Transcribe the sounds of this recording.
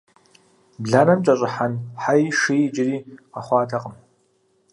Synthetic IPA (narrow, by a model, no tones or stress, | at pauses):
bɮaːnɐmt͡ʃʼɐɕʷʼɪħanħajʂiit͡ʃʼɪriːqaχʷɑːtʰaqʼəm